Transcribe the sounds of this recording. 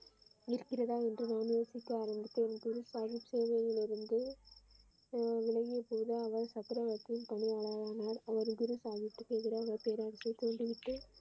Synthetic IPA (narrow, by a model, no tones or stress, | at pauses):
ɪɾɯkːɪrɐðaːɛndrɯnoːnɯʋɐsɪkːɯaːɾɐmbɪt̪ːɯnɡʊɾɯsaːɣɪpseːʋɐjɪlɪɾɯnd̪ɯ | ʋɪɭɐɣɪjɐpoːðɯɐʋɐɾsɐkːɪɾɐʋɐt̪ːɪnt̪ɐnɪaːɭaːjaːnaːɾɐʋɐɾɡʊɾɯsaːɣɪt̪ːɯkːeːʈɣɪɾɐːʋɐɾpeːɾaːɾɪsɐɐt̪ːoːɳɖɯʋɪʈːɯ